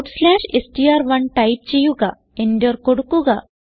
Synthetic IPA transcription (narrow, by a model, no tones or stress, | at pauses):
ʈslɛɕesʈiaɾʋənʈajp̚t͡ɕijuɡa | enɖəɾkoɽukuɡa